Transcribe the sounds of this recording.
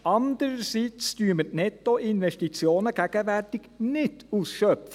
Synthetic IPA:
ɑnd̪əɾəsit͡styːmətnɛt̪ːoʔɪnʋɛʃtit͡sjoːnəɡ̥æɡ̥əʋærtɪɡ̥nɪtusʃœpf

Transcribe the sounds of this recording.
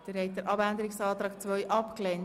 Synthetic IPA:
d̥əɾɦɛɪt̚dəɾʔɑbændəɾɪksɑːt̪ɾɑːkt͡sʋœʏjʔɑpklɛn

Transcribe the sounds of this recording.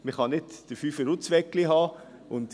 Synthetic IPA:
məχɑnɪtd̥əfyːfəɾʊt͡sʋɛkliɦɑː | ʊnd

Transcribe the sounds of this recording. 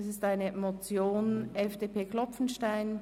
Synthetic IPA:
sɪstaɪnəmot͡sjoːnʔɛfd̥eːpʰeːkʰl̥ɔpp͡fn̩ʃtaɪn

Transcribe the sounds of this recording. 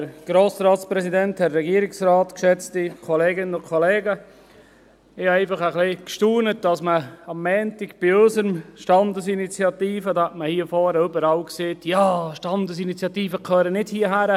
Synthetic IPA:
əɾɡ̥ɾoːsɾɑːtspɾɛsidɛnthɛrɛɡiəɾɪksɾaːtkʃɛt͡stikʰɔleːɡɪnənʊkʰɔlɛːɡə | ɪhɑɛɪfɑχəχlikʃtuːnət̚d̥ɑsməɑmːɛːntɪkb̥ɪøsəɾəmʃtɑndəsinit͡sjɑt̪iːfədɑhɛtməhiəfɔːɾəʏbəɾɑwkseːtjɑːʃtɑndəsinit͡sjɑtiːfəkʰœːɾənɪdhiːəɦæɾə

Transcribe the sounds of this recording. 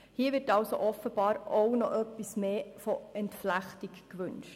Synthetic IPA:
hiːʋɪɾtɑlso̰ʔɔfəb̥ɑːɾoʊnɔʔœpːismeːfoɛntflæχtikkʋʉnʃt

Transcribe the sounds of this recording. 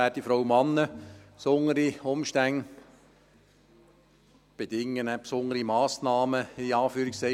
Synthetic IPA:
ætifɾowmɑnːəpsoŋəɾiʊmʃtæŋ | b̥ed̥ɪŋːənɛpsʊŋəɾimɑːsnɑːməiɑːfyːɾiksɛ

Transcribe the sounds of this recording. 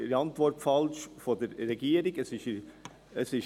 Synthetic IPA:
ɾɑntʋɔrtfɑlʃfodəɾːɛɡiːəɾɪɡəsɪʃ | əsɪʃ

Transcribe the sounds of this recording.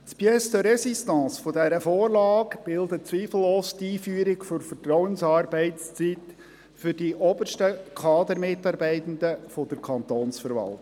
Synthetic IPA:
spjɛstəɾɛsistɑ̃ːsfɔdɛɾəfoːrlɑːkb̥ɪldət͡sʋiːfl̩ːoːstiːfyːəɾɪɡfʏɾfətɾɔʊənsɑːɾbɛɪtst͡st͡sit̪ | fʏɾdiʔɔbərʃtəkʰɑːd̪əɾmɪtːɑːɾbɛɪt̪ən̩d̪əfɔd̥̪əɾkʰɑnt̪oːnsfəɾʋɑ̰lˠt

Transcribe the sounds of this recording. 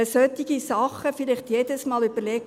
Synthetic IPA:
əsœtiɡ̥isɑχəfɪlɪχtjedəsmɑːlyb̥əɾlɛk

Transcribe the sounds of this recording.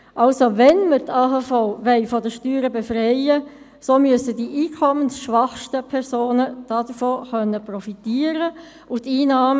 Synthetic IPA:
ʔɑlsoʋɛnməɾtʰaːɦaːfɔʊʋɛɪfɔdəʃtyːɾəbefrɛɪə | soːmyəsədiʔiːkʰɔmənsʃʋɑχʃtəpʰɛɾsoːnəd̥ɑd̥əfoːχœnːəprɔfitiːəɾə | ʊtiːnɑːm

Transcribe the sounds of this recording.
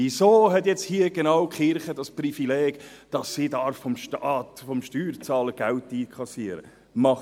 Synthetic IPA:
isoːɦɛtjɛt͡shiːəɡ̥enɑwkχɪɾχədɑsprifilɛːɡ̥ | d̥ɑsːidɑɾfɔmʃtɑtfɔmʃtyːɾt͡sɑːləɡ̥æltːiːkʰχɑsiəɾə̰ | mɑχ

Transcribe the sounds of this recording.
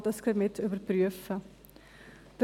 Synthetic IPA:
dəskəmɛtʰuəbərpryəfə | d̥

